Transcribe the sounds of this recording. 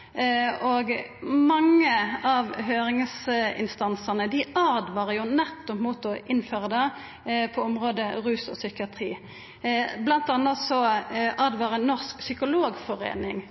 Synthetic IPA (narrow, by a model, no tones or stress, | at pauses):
ɔɡmɑŋːəɑʋhøːɾɪŋsɪ̰nst̪ɑnsənəd̪ɪʔɑʁd̪ʋɑːʁəjʊnæt̪ːɔpmuːt̪ɔʔɪnføːʁəd̪ɛ | pʰɔɔmʁoːd̪əʁʉːsɔ̰sʏkɪɑt̪ʰʁḭː | blɑnt̪ɑːnːɔsɔʔɑd̪ʋɑːʁənnɔʁsksʏkʊloːɡfɔʁḛːnɪŋ